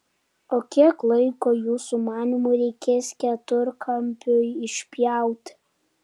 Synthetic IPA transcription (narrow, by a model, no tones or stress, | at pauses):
oːkʲiɛklˠɐɪkoːjuːsumɑːnʲimuɾʲɛɪkʲeːsʲkʲɛt̪ʊɾkʰɐmʲpʲʊjɪʃʲpʲjæˑʊt̪ʲ